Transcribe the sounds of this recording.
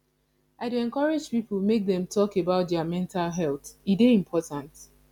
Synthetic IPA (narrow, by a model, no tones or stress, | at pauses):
aɪduɛ̃nkɔɹed͡ʒpipl̩ˠmek̚ðɛ̃mtʰɔkebaʊt̚dɛamɛ̃ntalɦɛlθideĩmpʰɔtãnt